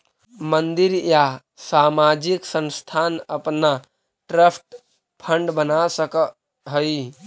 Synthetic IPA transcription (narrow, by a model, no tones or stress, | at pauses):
mənd̪iɾja | samad͡ʒiksə̃nst̪ʰanəpna | ʈɾəpʰʈ | pʰəɳɖbənasək | ɦəj